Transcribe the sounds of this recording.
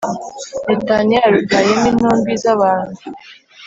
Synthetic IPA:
netaniaɾuɡajeminoːmbizaβaːnu

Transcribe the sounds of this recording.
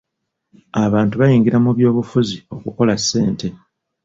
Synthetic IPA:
aβaːntuβajiːŋɡiɾamuβjo̞ːβufuzio̞kuko̞lasːe̞ːnte̞

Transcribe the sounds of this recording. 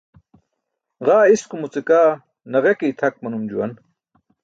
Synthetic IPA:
ʁaːiskumut͡sekaː | nɐʁekijt̪ʰɐk̚mɐnumd͡ʑuwɐn

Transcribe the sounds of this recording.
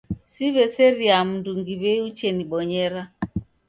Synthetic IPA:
siβɛsɛɾiam̩nduŋɡiβɛut͡ʃɛniɓɔɲɛɾa

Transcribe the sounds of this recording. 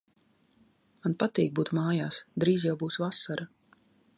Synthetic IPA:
manpat̪iːɡ̚buːt̪maːjaːsd̪ɾiːzjawbuːsvasaɾa

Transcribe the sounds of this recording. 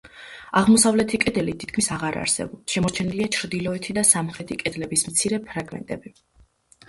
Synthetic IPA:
aʁmɔsavlɛt̪ʰikʼɛd̪ɛlit̪ʰit̪kʰmisaʁaɾa̰ɾsɛ̰bɔpsʃɛmɔɾt͡ʃʰɛniliat͡ʃʰɾd̪ilˠɔɛt̪ʰid̪asamχɾɛt̪ʰikʼɛd̪lɛbismt̪sʰiɾɛpʰɾaɡmɛ̰nt̪ʼɛbi

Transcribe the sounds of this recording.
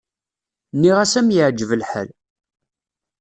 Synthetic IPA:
nːiʁæsæmjəʕd͡ʒːəvəlħə̰l

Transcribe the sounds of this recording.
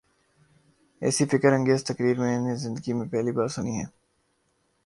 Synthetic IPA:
ɛ̰ːsifɪkəɾɐ̃ŋɡeːzt̪ɐkɾiːɾmẽnezɪ̃nd̪əɡimẽpɛɦlibaːɾsʊniɦɛ̰ː

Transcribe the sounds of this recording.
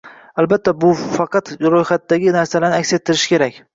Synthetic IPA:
albat̪ʰːabʊfɑqɑt̪ɾojχat̪ːaɡʲɪnaɾsalaɾnɪakʲse̞t̪ʰːɪɾɪʃɪ̥kʲe̞ɾakʲ

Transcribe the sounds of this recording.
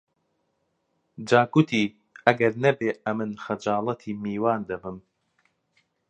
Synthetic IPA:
d͡ʒaːkut̪ʰiː | ʔɐɡɐɾnɐbeːɐmɨnxɐd͡ʒaːlˠɐt̪ʰiːmiːwaːnd̪ɐbɨm

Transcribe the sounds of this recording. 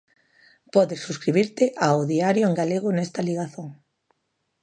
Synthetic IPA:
pɔðesːuskɾiβ̞iɾt̪eʔaoðiaɾjoeŋɡaleɣ̞ʊnɛst̪aliɣaθoŋ

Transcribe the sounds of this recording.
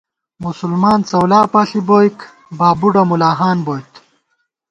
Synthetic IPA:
musulmaːnt͡sɐwlaːpaːɬiboːjk | baːbuɖɐmulaːɦaːnboːjt̪

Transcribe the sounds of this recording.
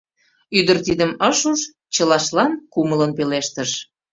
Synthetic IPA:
yd̪ə̆rt̪id̪əməʃuʃ | t͡ɕəlɑʃlɑnkumələnpeleʃt̪əʃ

